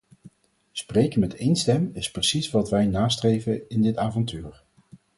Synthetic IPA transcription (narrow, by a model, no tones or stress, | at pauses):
sprejkənmɛtejnstɛmɪsprəsisʋɑtʋɛjnaːstrejvəɪndɪtaːvɑntyːɹ